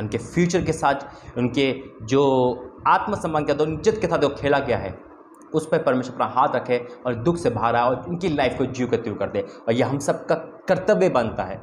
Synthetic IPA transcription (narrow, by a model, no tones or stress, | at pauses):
ʊnkefʰjuːt͡ʃəɾkesaːt̪ʰʊnked͡ʒoːaːt̪məsɐmːaːnked̪oʊnd͡ʒɪd̪kesaːt̪okʰeːlaɡɐjaɦɛ̰ː | ʊspəɾpɐɾmeːʃəɾɐpnaɦaːt̪ʰɾɐkʰẽɔːɾd̪ʊkʰsebʱaːɾaːɦeɔːɾʊnkilaːɪfkod͡ʒiːket̪ɾukɐɾd̪ẽːɔːɾjeɦɐmsɐb̚kakɐɾt̪əʋebɐnt̪aɦɛː